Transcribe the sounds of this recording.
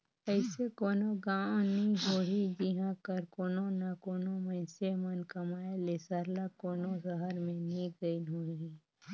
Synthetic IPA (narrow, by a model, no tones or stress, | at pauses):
ɛɪsekoːnoɡãːnĩɦoːɦid͡ʒiɦãkəɾkoːnõnakoːnomə̃ɪsemɐnkɐmaːelesaɾlakoːnozɐɦəɾmẽnĩɡəinɦoːi